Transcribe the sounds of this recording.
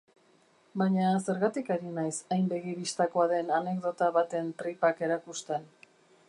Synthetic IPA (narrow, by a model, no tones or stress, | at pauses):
baɲase̞ɾɣat̪ikaɾinajsajmbe̞ɣiβist̪akoaðe̞nane̞ɡðo̞t̪aβat̪e̞nt̪ɾipake̞ɾakust̪e̞n